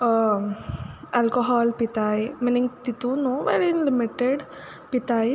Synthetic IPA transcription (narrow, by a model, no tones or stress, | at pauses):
ɐlkoɦɔːlpit̪ajminiŋɡt̪it̪unõʋḛɾinlimiʈeɖ | pit̪aj